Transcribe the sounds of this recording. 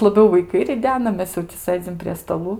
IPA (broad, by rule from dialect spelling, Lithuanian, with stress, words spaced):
lˠɐˈbʲɛʊ ʋɐɪˈkɐɪ rʲɪˈdʲæːnɐ ˈmʲɛs jɛʊ tʲɪ ˈsɘd͡zʲɪm pʲrʲiɛ stɐˈlˠuː